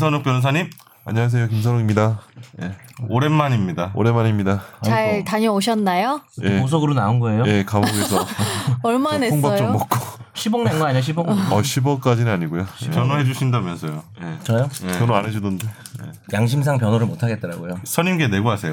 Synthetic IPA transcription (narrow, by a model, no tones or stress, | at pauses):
is̬ʰʌnok̚pjʌns̬ʰʌɲim | a̰ɲʌwas̬ʰe̞jokims̬ʰʌnoɡimɲidajeoɾenmaɲimɲidao̰ɾe̞mːaɲimɲidat͡ɕaɭtaɲʌoɕ̬ʰʌnːajojeos̬ʰoɡɯɾonaunɡʌe̞joje̞kamoɡes̬ʰʌʌɭmanepʰoŋbaʌjt͡ɕomʌk̚k͈oɕʰiboŋnenɡʌaɲioɕ̬ʰiboŋʌɕʰibʌk͈ad͡ʑinɯnaɲiɡojopjʌnoɦe̞d͡ʑuɕʰindamjʌnsʰʌjojet͡ɕʌjokjʌnoaned͡ʑudɯnde | ḛjaŋɕ̬ʰims̬ʰaŋp̬jʌnoɾɯɭmotʰaɡe̞t̚t͈ʌɾaɡojosʰʌɲimkene̞ɡoɦasʰe̞jo